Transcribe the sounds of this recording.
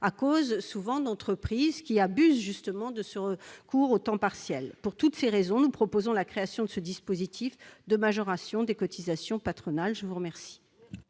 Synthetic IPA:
akozsuvɑ̃d̪ɑ̃t̪χəpχizkʲiabyzʒyst̪əmɑ̃d̪əsəʁəkuʁot̪ɑ̃paʁsjɛlpuʁt̪ut̪seʁezɔ̃nupχɔpozɔ̃lakχeasjɔ̃d̪əsəd̪ispozit̪ʰifd̪əmaʒɔʁasjɔ̃d̪ekɔt̪ʰizasjɔ̃pat̪χɔnalʒəvuʁəmɛʁsi̥

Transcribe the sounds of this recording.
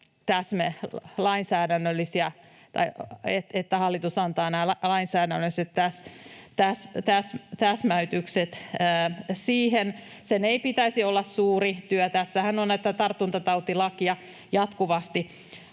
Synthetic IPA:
t̪æsmelɑinsæːdænːølːisiɑ | t̪ɑ̰iet̪et̪ːæhɑlːit̪usɑnt̪ɑːnæːlɑinsæːdænːøset̪tæst̪æst̪æst̪æsmæyt̪ykset̪ː | siːhen | seneipit̪æisiolːɑssuːrit̪yøt̪æsːæhænonnæt̪ːæt̪ɑrt̪ːunt̪ɑt̪ɑut̪ilɑkiɑ | jɑt̪kuʋɑst̪i

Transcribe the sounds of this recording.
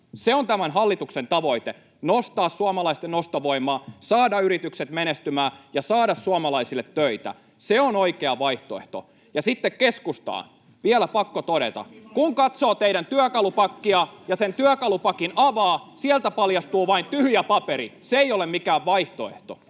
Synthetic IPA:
seont̪æmænɦɑlːit̪uksent̪ɑʋo̞it̪e | nost̪ɑːssuɑmɑlɑist̪enost̪oʋoimˑɑːsɑːdɑyɾit̪ykset̪menest̪ymæːjɑsɑːɾɑssuɑmɑlɑisilːet̪ːøit̪æ̰ | seonoikeɑʋɑiht̪oeht̪o̰ | jɑsit̪ːekkeskust̪ɑ̰ː | ʋiɛlæpɑkːot̪oɾḛt̪ɑ̰kuŋkɑt̪soːt̪eiɾænt̪yækɑlupɑkːiɑjɑsent̪yøkɑlupɑkinɑʋɑːsielt̪æpɑljɑst̪uːʋɑint̪yhjæpɑpeɾḭseeijolemmikæːʋʋɑiht̪oḛht̪o̰

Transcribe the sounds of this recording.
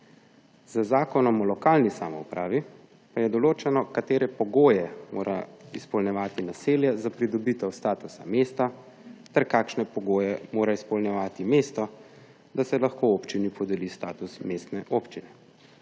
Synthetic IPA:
zəzaːkɔnɔmɔlɔkaːlnisa̰ːmɔupɾaːʋi | pajɛd̪ɔloːt͡ʃɛnɔkat̪eːɾɛpɔɡoːjɛmo̰ːɾʔa̰ispɔlnjɛʋaːt̪inaseːljɛzapɾid̪ɔbit̪ɛwst̪aːt̪usameːst̪a | t̪ɛɾkaːkʃnɛpɔɡoːjɛmoːɾaispɔlnjɛʋaːt̪imeːst̪ɔ | d̪asɛlaxkoːoːpt͡ʃinipʰɔd̪ɛliːst̪aːt̪usmeːst̪nɛʔoːpt͡ʃinɛ

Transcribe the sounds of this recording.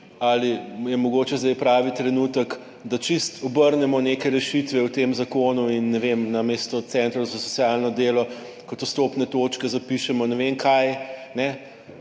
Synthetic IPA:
alijɛmɔɡoːt͡ʃɛzd̪ɛjpɾaːʋit̪ɾɛnut̪ək | d̪at͡ʃist̪ɔbəɾnɛmɔnekɛɾɛʃit̪ʋɛwt̪emzakonuinːɛʋemnameːst̪ɔt̪sɛnt̪ɾɐzasɔtsjalnɔd̪eːlɔ | kɔt̪ust̪opnɛt̪oːt͡ʃkɛzapiʃɛmɔnɛʋemkʰajnɛ

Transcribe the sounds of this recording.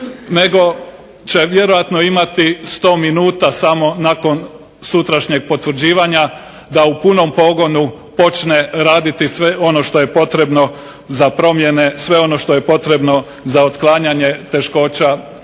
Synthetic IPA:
ne̞ɡo̞ | t͡ɕe̞ʋje̞ɾo̞jat̪no̞imat̪ist̪o̞ːminuːt̪asamo̞nako̞n | sut̪ɾaʃɲe̞ɡ̚po̞t̪ʋr̩d͡ʑiːʋaɲa | d̪aupuno̞mpo̞ɡo̞nu | po̞t͡ʃne̞ɾaːd̪it̪isʋe̞o̞no̞ʃt̪o̞je̞po̞t̪ɾe̞bno̞ | zapɾo̞mje̞ne̞sʋe̞o̞no̞ʃt̪o̞je̞po̞t̪ɾe̞bno̞ | zaot̪klˠaːɲaɲe̞t̪e̞ʃko̞ːt͡ɕa

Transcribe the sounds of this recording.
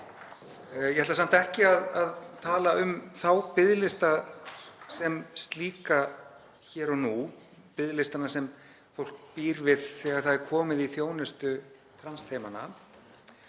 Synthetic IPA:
jɛhɛt̪lasan̥t̪aɛhcɪaðaðt̪ʰaːlaʏmθawpɪðlɪst̪a | sɛmst̪liːka | çɛːɾɔnu | pɪðlɪst̪anasɛm | fowl̥k̚piːɾvɪð̥θɛːɣaɾ̥θaðɛɾ̥kʰɔːmɪðiθjoːwnɪst̪ʏ | t̪ʰɾanst̪ʰejmana̰

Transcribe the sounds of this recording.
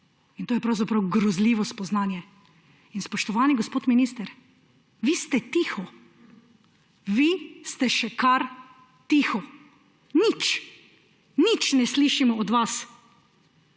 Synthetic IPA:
int̪oːjɛpɾawzapɾawɡɾɔzliːʋɔspɔznaːnjɛ | inspɔʃt̪ɔʋaːniɡospoːt̪miniːst̪ɛɾ | ʋiːst̪ɛt̪iːxɔ | ʋist̪ɛʃɛkaɾ | t̪ixɔ | nit͡ʃ | nit͡ʃnɛsliʃimɔːd̪ʋas

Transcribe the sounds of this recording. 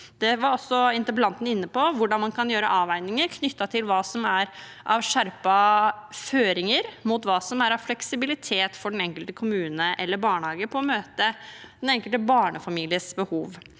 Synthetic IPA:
d̪̥ɛʋɑɾɔsːɔɪnt̪əbəlɑnt̪n̩ɪnːəpɔʋʊɖɑnmɑnkʰɑnjøːɾəʔɑːʋæɪnɪŋəɾkʰnʏt̪ːɑt̪ʰɪlʋɑːsɔmæɾ | ʔɑʋʂæɾpɑføːɾɪŋəɾmut̪ʋɑːsɔmæɾɑʋflɛksɪbɪlɪt̪ʰeːt̪fɔɖɛnɛŋkəlt̪əkʰʊmʉːnəʔɛ̰lːəbɑːɳəhɑːɡəpʰɔɔmøːt̪əd̪̥ɛnɛŋkəlt̪əbɑːɳəfɑmiːlɪəsbəhuːʋ

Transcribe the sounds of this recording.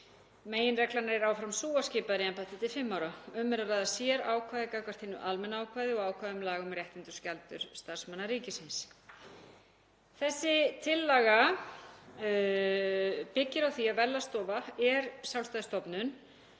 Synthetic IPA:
meːjɪnrɛklanaɾɛɾaːwfɾamsuːascɪːpaðɾɪɛmpaht̪ɪt̪ʰɪlfɪmːaːwɾaʏmːɛɾaraːðasjɛɾaːwkʰvajðɪkakʰvaɾ̥t̪hɪnːʏʔalmɛnaaːwkʰvaːjðɪɔɣaːwkʰvaːðʏmlaːɣʏmrjɛht̪ɪnt̪ʏ̥scalt̪ʏ̰ɾ̥st̪aɾ̥smanːaɾiːcɪsɪns | θɛsːɪt̪ʰɪlːaːɣa | pɪcːɪɾawθiaðvɛlːast̪ɔːvaɛɾsjawlst̪ajðɪst̪ɔpnʏn

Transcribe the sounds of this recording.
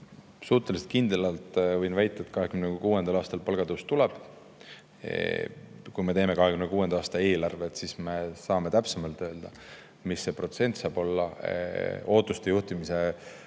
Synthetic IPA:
suːt̪ːˑe̞liset̪kind̪elɑlt̪ˑvɤjnvæjt̪ːˑɑet̪kɑɦe̞kymnekuːe̞nd̪ɑlɑːst̪ɑlpɑlɡ̥ɑd̪ust̪ulɛb̥ | kujme̞t̪eːme̞kɑɦekymnekuːend̪̥ɑɑːst̪ɑe̞ːlɑrve̞t̪sisme̞sɑːme̞t̪æpsemɑlt̪øːld̪̥ɑ | misːe̞pro̞t̪se̞nt̪sɑːb̥o̞lːɑ | o̞ːt̪ːˑust̪e̞juht̪imise̞

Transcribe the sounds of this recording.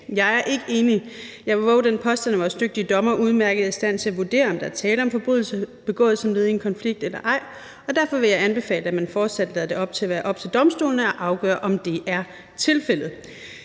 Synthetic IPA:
jɑ̈ɪæɐʔe̝ɡ̥əe̝ːnijɑ̈ɪʋeʋɒʊd̥enpʰɒ̽sd̥ænæʋɒːsd̥øɡ̥̚d̥iəd̥ɒ̽mɐʔuðˠmæɐɡ̥əð̩ˠiisd̥æn̰t͡sʰe̝æʋuɐd̥e̝̰ːɐɒ̽md̥ɑ̈æɐt͡sʰɛːləɒ̽mfɒ̽b̥ʁyðˠl̩səb̥e̝ɡ̥ɔ̰̽ːð̩ˠsɒ̽mle̝ðˠie̝nkʰɒ̽nfliɡ̥̚d̥elɐʔɑ̈ɪ̰ | ɒ̽d̥æɐ̰fɒ̽ʋe̝jɑ̈ɪænb̥e̝fɛ̰ːləæmænfɒːd̥sæd̥lɛːðˠde̝ɒ̽b̥̚t͡sʰe̝læʋæːɐʔɒ̽b̥̚t͡sʰe̝ld̥ɒ̽msd̥o̝̰ːln̩əɒ̽ʔɑ̈ʊɡ̥œ̰ːɐʔɒ̽md̥e̝ʔæɐ | t͡sʰe̝lfel̰ð̩ˠ

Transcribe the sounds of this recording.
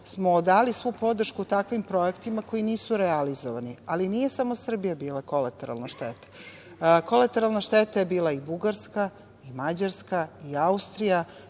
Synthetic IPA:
smod̪aːlisʋupo̞d̪r̩ʃkut̪akʋimpɾo̞e̞kt̪imako̞iniːsuɾealizoʋanialinije̞samosr̩bijabiːlakolat̪eɾa̰lnaʃt̪et̪ḁ | kolat̪eɾalˠnaʃt̪et̪ajebiːlˠaibuɡaɾska | imad͡ʑaɾskaiaust̪ɾija

